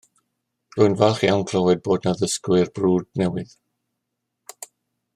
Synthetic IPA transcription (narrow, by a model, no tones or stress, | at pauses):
rʊɨnvaχiawnkʰlˠɔwɛd̚boːdnaðəskwɪrbruːd̚nɛwɪð